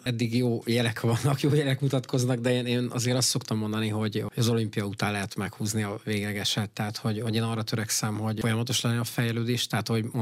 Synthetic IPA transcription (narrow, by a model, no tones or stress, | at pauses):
ɛd̪ːiɡjoːjɛlɛkʋɒnːɒkjoːjɛlɛkmut̪ɒt̪kʰo̞znɒɡd̪ɛeːneːnɒ̰zeːɾɒst̪so̞kt̪ɒmːo̞nd̪ɒniɦo̞ɟho̞ɟɒzo̞limpijɒut̪aːnlɛɦɛt̪mɛkhuːzniɒveːɡlɛɡɛʃɛt̪ːɛɦːt̪hoɟho̞ɟeːnɒrːɒt̪øɾɛksɛmho̞ɟo̞jɒmɒt̪oʃlɛnːɛɒfɛjɛløːd̪eːʃt̪ɛɦat̪ho̞